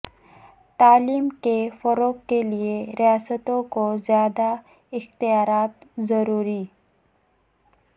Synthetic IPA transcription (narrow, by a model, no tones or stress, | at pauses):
t̪aːliːmkefɐɾoːkːelieɾijaːsət̪õkozjaːd̪a | ɪxt̪ɪjaːɾaːt̪zɐɾuːɾi